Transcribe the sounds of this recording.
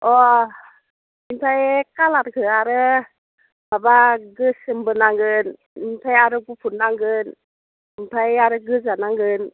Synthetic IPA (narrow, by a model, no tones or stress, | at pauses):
ʔɔ | minpʰajkalatkʰɯaɾɯ | babaɡɯsɯmbɯnaŋɡɯn | inpʰajaɾɯbupʰunːaŋɡɯn | minpʰajaɾɯɡɯzanaŋɡɯn